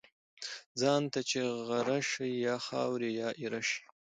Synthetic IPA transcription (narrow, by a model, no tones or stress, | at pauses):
d͡zɑnt̪at͡ʃeɣaɾaʂijɑːxɑ̰wɾejɑːʔiɾaʂi̥